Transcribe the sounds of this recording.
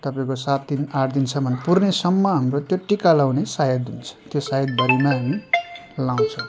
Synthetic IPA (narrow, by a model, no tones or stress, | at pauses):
t̪ʌpaĩkosat̪̚d̪inaɾd̪int͡sʰʌbʱʌnepurnesʌmːʌɦamrot̪joʈikalawnesajʌd̪ɦunt͡sʰʌ̥t̪josajʌd̪̚bʌɾimaɦamilaw̃t͡sʰʌw̃